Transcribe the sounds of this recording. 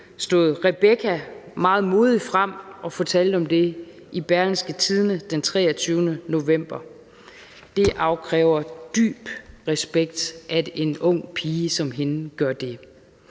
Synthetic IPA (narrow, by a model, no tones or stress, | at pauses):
sd̥o̝̰ðˠʁɛb̥ekʰæmɑ̈ːð̞̩ˠmo̝ːðˠifʁam̰ɒ̽fɒ̽t͡sʰɛl̰d̥̩ɒ̽md̥e̝ | ʔib̥æɐlnsɡ̥ət͡sʰið̞ˠnəd̥ent͡sʰʁɛːɐt͡sʰyːʊnəno̝ʋem̰b̥ɐ | d̥e̝ʔɑ̈ʊkʰʁɛːʊɐd̥y̰ːb̥ʁɛsb̥eɡ̥̚d̥ʔæe̝nɔ̽ŋ̰pʰiːəsɒ̽mɦe̝n̩ɡ̥ɶɐd̥e̝